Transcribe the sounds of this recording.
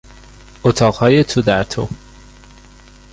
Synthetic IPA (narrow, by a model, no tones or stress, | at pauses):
ot̪ʰɒːɣhɒːjet̪ʰud̪æɾt̪ʰo